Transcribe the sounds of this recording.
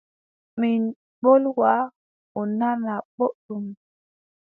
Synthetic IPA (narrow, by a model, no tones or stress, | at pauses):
min | ɓolwa | onanaɓoʔɗum